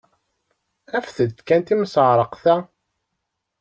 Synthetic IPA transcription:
æfθəd̪t̪kænt̪imsəʕɾˤəqθæ

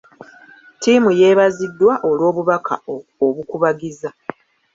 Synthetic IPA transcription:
tiːmuje̞ːβazidːwaʔo̞lwo̞ːβuβakʰa̰oβukuβaɡiza

